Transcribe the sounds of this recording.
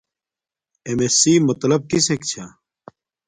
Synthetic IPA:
emesiːmɐt̪lɐb̚kisekt͡ɕʰa

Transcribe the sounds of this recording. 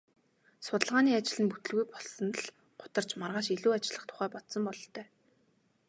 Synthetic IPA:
sʊt̪ə̆ɮʁaːniːat͡ɕɪ̆ɮɘ̆nput̪ɘ̆ɮɣujpɔɮsɞ̆nt̪əɮ | ɢʊ̥t̪ə̆r̥t͡ɕmarʁaːʃiɮuːat͡ɕɪ̆ɮə̆χt̪ʰʊ̥χæːpɔt̪sɞ̆mpɔɮɞɬt̪œː

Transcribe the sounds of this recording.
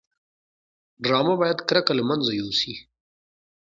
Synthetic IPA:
ɖɾɑːmabɑːjad̪kɾakalmanzajosi

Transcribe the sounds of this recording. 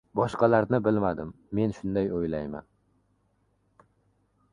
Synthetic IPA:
bɒʃqɑlaɾnɪbɪlmad̪ɪmːe̞nʃʊnd̪ajojlajma̰n

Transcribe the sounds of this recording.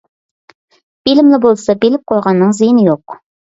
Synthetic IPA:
bilɪmlɪbolˠsɑbelɪp̚qʰɑlˠʁɑnːɨɴzijɪnɪjoq̚

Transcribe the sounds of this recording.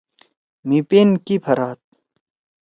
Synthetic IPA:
mipenkipʰɐɾaːt̪̚

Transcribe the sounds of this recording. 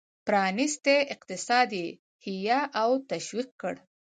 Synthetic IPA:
pɾɑnɪst̪eʔɪqt̪ɪsɑd̪je | hijaʔawt̪aʃwiq̚kə̰ɽ

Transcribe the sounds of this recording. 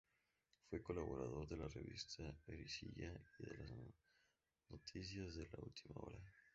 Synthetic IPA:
fujkolːaboɾaðord̪elːarivist̪ʰaeɾisiʎaed̪ela | not̪ʰit̪sjazd̪elːault̪ʰimao̰ːɾa

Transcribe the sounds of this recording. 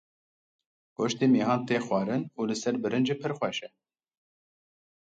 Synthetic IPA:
koʃt̪iːmiːɦɑːnt̪eːxwɑːɾɨnuːlɨsɛɾbɨɾɨnd͡ʒipʰɨɾxʷwɛʃɛ

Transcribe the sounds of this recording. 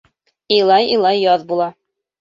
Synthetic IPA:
ilˠɑjilˠɑjːɒðbulˠɑ

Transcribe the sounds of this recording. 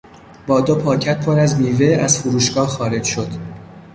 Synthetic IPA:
bɒːd̪opʰɒːcʰæt̪̚pʰo̞ɾæzniːve̞æzfuɾuːʃɡ̥ɒːhxɒːɾe̞d͡ʒʃo̞d̪̥

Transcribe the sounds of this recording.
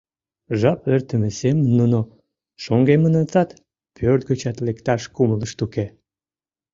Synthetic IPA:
ʒɑpørt̪əmesemənːuno | ʃoŋɡemənənt͡sɑt̪ | pʰørt̪̚ɡət͡ɕɑt̪lekt̪ɑʃkumələʃt̪uke

